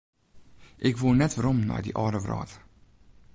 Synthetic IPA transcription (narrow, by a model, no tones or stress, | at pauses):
ʔɪkʋuːnɛtʋəɾɔmna̰jdḭʔɑːdəvrɑ̰ːt